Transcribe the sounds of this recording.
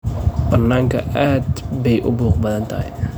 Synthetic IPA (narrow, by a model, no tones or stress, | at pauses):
b̥ɐnːaːŋkʰɐ̰ʔaːd̪bɛjʔʊbuːqbɐðɐnt̪ʰɐɦɐ̰j